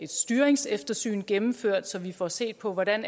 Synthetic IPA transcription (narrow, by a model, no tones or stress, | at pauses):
e̝d̥sd̥yːɐeŋsefd̥ɐsy̰ːnɡ̥emm̩føɐ̰d̥sɒ̽ʋifɒse̝̰ːd̥pʰɒ̽ʋɒdæn